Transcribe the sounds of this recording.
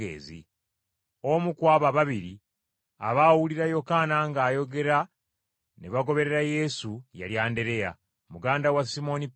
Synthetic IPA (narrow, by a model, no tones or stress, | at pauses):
ḛːzḭ | omukwaːβaβaβiɾi | aβawuliɾajo̞kanaŋɡaːjo̞ɡe̞ɾa | neβaɡo̞βe̞ɾe̞ɾaje̞suja̰ljaːnde̞ɾe̞ja̰ | muɡaːndawasimo̞ni